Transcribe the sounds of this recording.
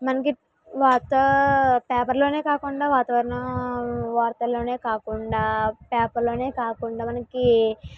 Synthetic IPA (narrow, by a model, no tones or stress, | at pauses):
mɐnɐk̬i | ʋaːɾt̪ɐpɛːpɐɾlo̞ːne̞ːkaːkuɳɖaːʋaːt̪ɐʋɐɾɐnɐ | ʋaːɾt̪ɐlo̞ːne̞ːkaːkuɳɖaːpɛːpɐɾlo̞ːne̞ːkaːkuɳɖaːmɐnɐki